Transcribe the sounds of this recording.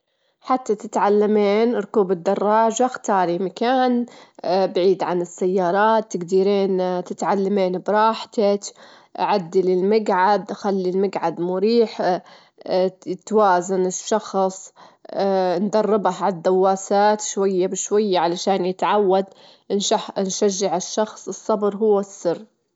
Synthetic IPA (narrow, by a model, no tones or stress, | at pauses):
ħat̪ːat̪ɪt̪ʕalːameːnɾˤkuːbɪd̪ːɑrˤːɑːʒaxt̪ɑːɾimakaːn | bʕiːd̪ʕanɪsːajːɑːɾˤɑːt̪ːɪɡd̪iːɾeːnt̪ɪt̪ʕalːameːnbɾˤɑːħt̪ak | ʔaʕad̪ːilɪlmaɡʕad̪ʔaxalːilmaɡʕad̪mʊɾiːħ | t̪waːzanɪʃːɑxsˤ | nd̪ɑrˤːɪbahʕad̪ːawːaːsaːt̪ʃwajːabɪʃwajːaʕalaʃaːnjɪt̪ʕawːad̪ | naħnʃaʒːɪʕɪʃːɑxsˤɨsˤːɑbɾɦʊwːasːɪrː